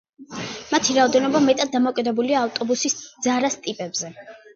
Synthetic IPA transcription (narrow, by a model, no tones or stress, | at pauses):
mat̪ʰiɾaɔd̪ɛnɔbamɛt̪ʼad̪̚d̪amɔkʼid̪ɛbuliaːft̪ʼɔbusisd̪zaɾast̪ʼipʼɛbzɛ